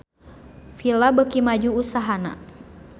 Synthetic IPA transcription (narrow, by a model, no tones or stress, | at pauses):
filabəkimad͡ʒuusaɦana̰